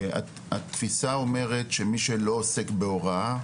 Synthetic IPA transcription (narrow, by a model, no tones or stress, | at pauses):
a̰ | a̰t̪fisao̞me̞ʁetʃe̞miʃelo̞ːse̞kbe̞o̞ʁa